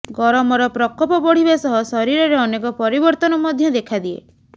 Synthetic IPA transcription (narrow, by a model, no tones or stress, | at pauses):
ɡɔɾɔmɔɾɔpɾɔkɔpɔpɔɽ̤ibasɔɦɔsɔɾiɾɔɾeɔnekɔpɔɾibɔɾt̪ɔnɔmɔd̪ʱjɔd̪ekʰad̪iḛ